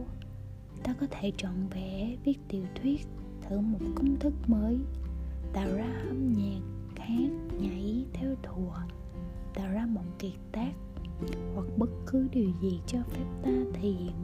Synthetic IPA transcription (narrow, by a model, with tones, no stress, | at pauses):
t̪aː˧kɔ˨˦t̪ʰe˧˩t͡ɕɔ˧˨nvɛ˧˩˥vi˦˥ək̚t̪i˨˩əwt̪ʰwi˦˥ət̚ | t̪ʰɨ̰˧˩mo˨˩t̚kʊ˧wŋ͡mt̪ʰɨ˦˥k̚məː˨˦jt̪a̰ː˧˨wzaː˧hə˧mɲɛ˨˩kxaː˨˦ŋɲa˧˩˦jt̪ʰɛ˧wt̪ʰu˨˩ə | t̪a̰ː˧˨wzaː˧mo̰˧˨ŋ͡mki˨˩k̚t̪aː˦˥k̚hwa˨˩k̚ɓə˦˥t̚kɨ˨˦ɗi˨˩əwzi˨˩t͡ɕɔ˧fɛ˦˥p̚t̪aː˧t̪ʰi˨˩